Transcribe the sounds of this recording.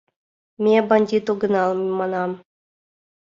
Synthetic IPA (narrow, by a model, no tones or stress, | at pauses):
mʲebɑnʲdʲit̪uɡɤ̆nɑlˠmmɑnɑm